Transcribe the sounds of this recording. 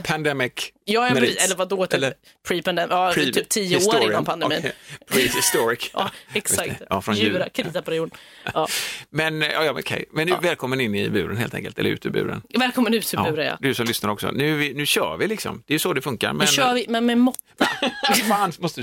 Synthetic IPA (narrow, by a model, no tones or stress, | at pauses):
pʰand̪ɛmɪkjɑːɛɛlːəɾvad̪ot̪ʰlːə | pʰɾipand̪ɛmjɑt̪ʰyːp̚t̪ʰiːʊoːɾɪnːanpʰand̪ɛiːnpʰɾist̪ɔɾɪkɑ̰ɛksakt̪ɑfɾɔnjʉɾakʰɾɪd̪iːspɾɪjuːnː | mɛnjɑ̰ːjɑkʰɛ̰jmɛnːʉvɛːlkʰɔmːənɪnːɪ̰bʉːɾə̰nhḛːlt̪ɛ̰ŋkəlt̪ɛlːɾʉ̟ːt̪ʰɪbʉ̟̰ːɾə̰nvɛːlkʰɔmːənʉ̟ːt̪ʰɪbʉ̟ːɾəjɑ̰d̪ɵsɔmlʏsnaɾɔksɔ̰nʉ̟ːvɪnʉ̟ːɕœ̰ːvɪlɪksɔ̰md̪̥ɛːjɵsɔd̪ɛfɵŋka̰ɾmɛnœːvɪmɛnmɛmɔt̪ːvnmɔst̪ə